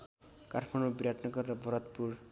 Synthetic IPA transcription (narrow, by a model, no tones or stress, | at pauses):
karʰmaɳubiɾaʈnʌɡʌɾeɾʌbʌɾʌt̪puɾ